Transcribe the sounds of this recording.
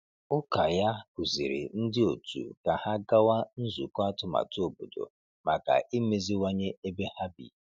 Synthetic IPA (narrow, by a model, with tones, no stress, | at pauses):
ʊ˦ka˨ja˦ku˨zi˨ɾɪ̰˨n̩˦dɪ˦o˨tṵ˨ka˨ha˦ɡa˦wa˦n̩˦zu˨ka˦tʊ˨ma̰˨tu˦o˨bo˨do̰˨ | ma˨ka̰˨ʔi˦me˨zi˦wa˦ɲe˦e˦be˦ha˦bḭ˨